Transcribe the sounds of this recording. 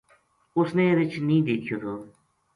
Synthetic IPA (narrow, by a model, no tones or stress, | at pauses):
ʊsnẽːɾɪt͡ʃnĩːd̪eːkʰijoːt̪ʰoː